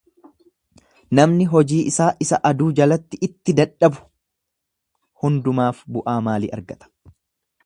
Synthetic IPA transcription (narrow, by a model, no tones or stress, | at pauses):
nɐmnɪɦɔd͡ʒiːʔɪsaːʔɪsɐ̰ʔɐd̪uːd͡ʒɐlɐt̪ːɪɪt̪ːɪd̪ɐᶑɐbʊ̥ | hʊnd̪ʊmaːfbʊʔaːmaːlḭːʔɐ̰ɾɡɐt̪ɐ̥